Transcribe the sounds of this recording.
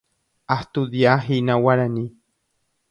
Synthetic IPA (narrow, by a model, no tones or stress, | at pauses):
aht̪ud̪jaɦinawaɾani